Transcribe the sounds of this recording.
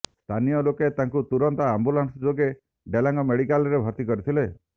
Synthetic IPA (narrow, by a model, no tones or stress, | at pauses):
st̪ʰanijɔloket̪aŋkut̪uɾɔnt̪aambulansd͡ʒoɡe | ɖelaŋɡɔmeɽikalɾebʱɔɾt̪ikɔɾit̪ʰile